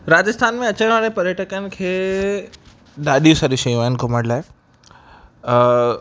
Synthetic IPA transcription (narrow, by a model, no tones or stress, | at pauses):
ɾaːd͡ʑɪst̪ʰaːnmẽɐt͡ɕəɽ̃ʋaːɾepɐɾjəʈəkənɪ̆kʰeː | ɗ̪aːɗiusaɾiʃɐjũɦaːɦənɪkoməɽlaːɦe